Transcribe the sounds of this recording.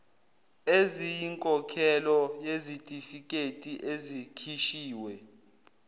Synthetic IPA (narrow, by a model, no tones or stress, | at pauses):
ezijiŋkʼɔkʰɛlɔjezitʼifikʼetʼiʔezikʰiʃiːwɛ